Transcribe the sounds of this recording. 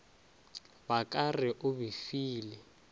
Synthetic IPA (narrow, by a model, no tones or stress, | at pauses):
bakʼarɪʔʊβifiːlɪ